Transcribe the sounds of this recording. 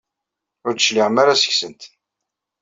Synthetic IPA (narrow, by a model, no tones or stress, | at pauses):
ʊɾt͡səʃliʁəmaɾasə̥çsənt̪